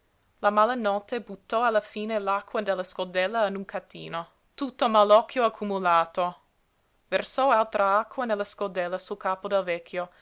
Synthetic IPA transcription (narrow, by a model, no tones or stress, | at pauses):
lamalanɔt̪ebut̪ːɔalːafiːnelakʰːwad̪elːaskold̪ɛlːaanuŋkʰat̪ːḭːno | t̪ut̪ːomalɔkːjoakʰːumulaːt̪o | versɔalt̪ɾʔaakːwanelːaskold̪ɛlːasulkaːpod̪ɛlvɛkʰːjo